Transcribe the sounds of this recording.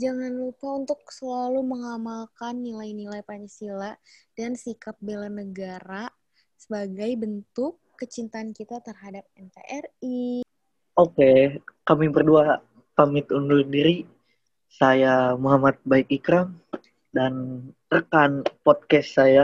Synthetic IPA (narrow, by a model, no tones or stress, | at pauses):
d͡ʒaŋanlupaunt̪ʊk̚səlaluməŋamalkanːilajnilajpaɲisilad̥ansikap̚belanəɡaɾa | səbaɡajbənt̪ʊkːət͡ʃint̪aːnkit̪at̪ərɦadap̚ɛnt̪eʔɛri | ʔokekamibərdua | pamɪt̪undusəndiɾi | sajamoɦamat̪̚baikikɾam | dan | rəkanpɔt̪̚kɛsːaja